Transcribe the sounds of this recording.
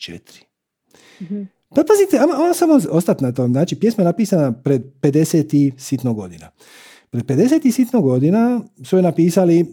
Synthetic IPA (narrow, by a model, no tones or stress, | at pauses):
t͡ʃḛt̪ɾi̥ | papazit̪eamaonasamoost̪at̪nat̪omznaːt͡ʃipje̞smajenapiːsanapɾe̞d̪̚pe̞d̪e̞set̪isit̪noɡo̞̰d̪ḭna̰ | pɾed̪̚pe̞d̪e̞set̪isit̪noɡo̞d̪inasujenapiːsali